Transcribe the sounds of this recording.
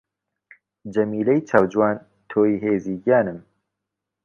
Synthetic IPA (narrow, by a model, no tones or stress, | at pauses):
d͡ʒɐmiːlɛjt͡ʃʰawd͡ʒwaːn | t̪ʰoːiɦeːziːɡaːnɨm